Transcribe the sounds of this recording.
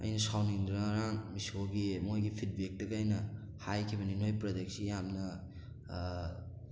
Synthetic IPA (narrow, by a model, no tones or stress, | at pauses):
ɐ̰jnɐsawniŋd̪ɾaɾaŋmisoɡimojɡipʰid̚bek̚tɐɡːjnɐ | hajkʰibɐninojpɾɐdeksijamnɐ